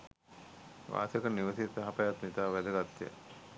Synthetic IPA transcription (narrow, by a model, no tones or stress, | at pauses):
ʋa̰ːsjəkəniʋəsit̪aɦapəjat̪nit̪aːʋæd̪əɡat̪ːjə̰